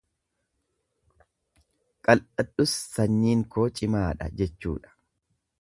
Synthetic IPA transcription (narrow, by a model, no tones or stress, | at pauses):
kʼɐlʔɐᶑʊsːɐɲːiːŋkoːt͡ʃʼɪmaːᶑɐ̰d͡ʒɛt͡ʃːṵːᶑɐ̥